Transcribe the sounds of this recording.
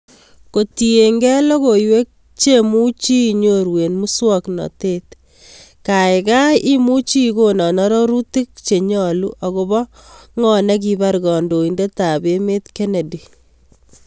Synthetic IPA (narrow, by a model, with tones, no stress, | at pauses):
ko˨ti˨e˨ŋɡɛ˦lɔ˦ko˨jwe˦k̚ | t͡ʃe˦mu˦t͡ʃi˦ɲo˦ɾwe˨nmu˦swɔ˦knɔ̰˨te˦t | ka˨ɪ˨ka˦i˦mu˦t͡ʃi˦ko˦nɔ˨nɔ˦ɾɔ˦ɾu˦ti˦k̚t͡ʃe˨ɲɔ˨lu˦ʔɔ˨ko˨bɔ˦ŋɔ˦nɛ˦k̬i˨ba˦ɾɡɔ˨ndo˨i˨nde˦ta˨be˦me˦tke˦ne˨di˨